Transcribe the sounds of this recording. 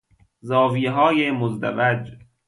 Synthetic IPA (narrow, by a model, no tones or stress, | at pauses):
zɒːviːɦɒːjemozd̪æ̰væd͡ʒ